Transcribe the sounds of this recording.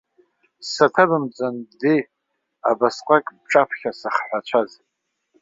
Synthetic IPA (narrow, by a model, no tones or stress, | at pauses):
satʰabɨmt͡sʷʼandi | a̰basqʷʼakʼbʈ͡ʂʼapʰχʲasaχħʷat͡ʃʷʰaz